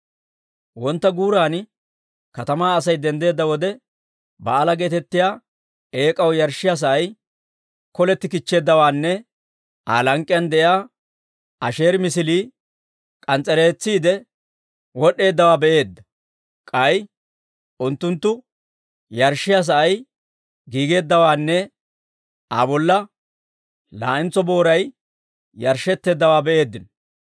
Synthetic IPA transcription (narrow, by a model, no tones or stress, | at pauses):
wɔnt̪ːɐɡuːɾaːn | kɐt̪ɐmaːɐsɐjd̪ɛnd̪e̞ːd̪ːɐwɔd̪ɛ | bɐːlɐɡe̞ːt̪ɛt̪ːɪjaː | e̞ːkʼɐwjɐɾʃːɪjas̬ɐʔɐj | kɔlɛt̪ːɪkɪt͡ʃːe̞ːd̪ːɐwaːnːɛ | ʔa̰ːlɐŋkʼːjɐnd̪ɛjaː | ɐʃe̞ːɾmɪs̬ɪliː | kʼɐnt͡sʼɛle̞ːt͡sːiːd̪ɛ | wɔɗe̞ːd̪ːɐwaːbɛʔe̞ːd̪ːɐ | kʼɐj | ʔʊnt̪ːʊnt̪ːʊ | jɐɾʃːɪjɐs̬ɐʔɐj | ɡiːɡe̞ːd̪ːɐwaːnːɛ | a̰bɔlːɐ | la̰ːʔɪnt͡sɔbo̞ːɾɐj | jɐɾʃɛt̪ːe̞ːd̪ːɐwaːbɛʔe̞ːd̪ːɪnɔ